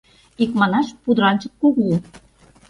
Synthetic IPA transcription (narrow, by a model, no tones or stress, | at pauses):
ikmɑnɑʃpud̪ɾɑnt͡ɕə̆k̪̚kuɣlu